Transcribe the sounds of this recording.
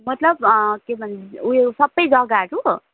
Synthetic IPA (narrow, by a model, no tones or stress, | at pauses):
mʌt̪lʌbkebʱʌnd̪iuesʌbːʌjd͡zʌɡaɾu